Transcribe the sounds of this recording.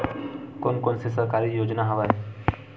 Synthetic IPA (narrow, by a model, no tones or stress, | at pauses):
konkonsesəkaɾijod͡ʒnaɦəʋa